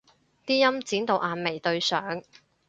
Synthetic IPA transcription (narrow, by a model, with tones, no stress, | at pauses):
t̪iː˥jɐ˥mt͡siː˨˥nt̪o˨wʔaː˨˧nme˨jt̪ɵ˧ɥsœː˨˥ŋ